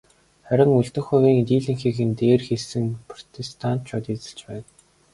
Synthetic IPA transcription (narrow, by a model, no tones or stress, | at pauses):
χæɾʲɪ̆ŋuɮt̪ɵ̆xʊwiːŋt̪iːɮĭŋxiːxɘ̆nt̪eːrxeɮsɘ̆ŋpʰrɔ̥t̪ʰest̪ʰant̪t͡ɕʰɔt̪iːt͡sə̥̆ɮt͡ɕpæːn